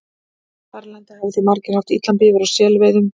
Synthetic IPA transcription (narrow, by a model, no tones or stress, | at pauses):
θaɾlɛnt̪ɪhavɪθimaɾcɪ̥haft̪it̪lanpivɛɾawsjɛːlvɛjðʏm